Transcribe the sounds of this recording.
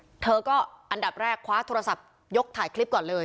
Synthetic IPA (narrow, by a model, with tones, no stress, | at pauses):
t̪ʰɤː˧kɔː˥˩ʔa˧nda˨˩p̚ɾɛː˥˩kʰwaː˦˥t̪ʰoː˧ɾa˧sa˨˩p̚ | jo˦˥k̚t̪ʰaː˩˦jkʰli˦˥p̚kɔː˨˩nlɤː˧j